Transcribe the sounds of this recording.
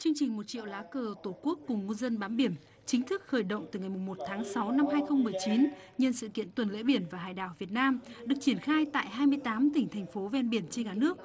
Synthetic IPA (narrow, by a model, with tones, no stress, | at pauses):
t͡ɕɨ˧əŋt͡ɕï˨˩ŋ̟mo˨˩t̚t͡ɕḭ˧˨əwlaː˨˦kəː˧˩t̪o˧˩ku˦˥əkːʊ˨˩ŋ͡mŋu˧zə˧nɓaː˨˦nɓi˧˩ən | t͡ɕï˨˦ŋ̟t̪ʰɨ˦˥k̚xəː˧˩jɗə̰˧˨wŋ͡mt̪ɨ˨˩ŋa˨˩jmʊ˨˩ŋ͡mmo˨˩t̚t̪ʰaː˨˦ŋsa˨˦wna˧mɦaː˧jxə˧wŋ͡mmːɨ˨˩əjt͡ɕi˨˦n | ɲə˧nsɨ̰˧˨kḭ˧˨ənt̪wə˨˩nlḛ˧˥ɓi˧˩ənvaː˨˩ɦa̰ː˧˨jɗa̰ː˧˨wvi˨˩ət̚naː˧mɗɨ˨˩ək̚t͡ɕi˧˩ənxaː˧jt̪a̰ː˧˨jɦaː˧jmɨ˧əjt̪aː˨˦mt̪ï˧˩ŋ̟t̪ʰɛ˨˩ŋ̟fo˨˦vɛ˧nɓi˧˩ənt͡ɕe˧nkaː˧˩nɨ˦˥ək̚